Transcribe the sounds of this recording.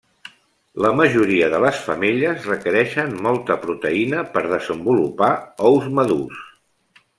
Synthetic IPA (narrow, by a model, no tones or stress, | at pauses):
ləməʒuɾiəðələsfəmiʎəzrəkəɾɛʃənmɔlˠt̪əpɾut̪əinəpəɾðəzəmbulupaɔwzməðus